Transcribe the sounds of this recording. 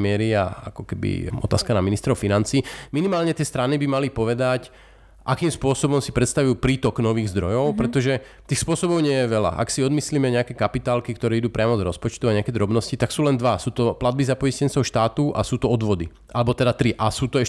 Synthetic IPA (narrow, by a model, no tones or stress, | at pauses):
mɪɛɾia̰a̰kɔkɛbḭɔ̰t̪aːskanaminist̪ɾɔʊfinant͡siːminimaːlɲɛt̪ɪɛst̪ɾanibimalipɔʋɛd̪ac | ʔakiːmspʊɔsɔbɔmsipɾɛt̪st̪aʋujuːpɾiːt̪ɔknɔʋiːɣzd̪ɾɔjɔʊpɾɛt̪ɔʒɛ | t̪iːxspʊɔsɔbɔʊɲɪɛjɛʋɛla̰ʔa̰ksiɔd̪misliːmɛɲɛakɛkapit̪aːlkikt̪ɔɾɛːid̪uːpɾɪamɔzɾɔspɔt͡ʃt̪uaɲɛakɛd̪ɾɔbnɔscit̪aksuːlɛnd̪ʋasuːt̪ɔplad̪bizapɔiscɛnt͡sɔʊʃt̪aːt̪uʔa̰suːt̪ɔɔd̪ʋɔd̪i | ʔalɛbɔt̪ɛd̪at̪ɾiʔasuːt̪ɔɛʃ